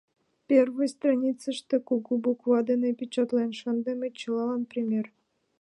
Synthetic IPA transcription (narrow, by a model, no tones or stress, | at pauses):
pʲervɨjst̪ranʲit͡sɨʂt̪ekuɡubukvɑd̪enepʲit͡ɕɑt̪lenʂɤ̆nd̪ĕmʲet͡ɕɤlˠɑlˠɑnprʲemʲer